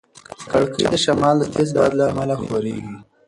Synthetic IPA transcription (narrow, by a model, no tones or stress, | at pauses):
kaɽkʰə̰jd̪əʃamɑld̪ət̪ʰezda̰d̪laːmalaxwaɾḛɡi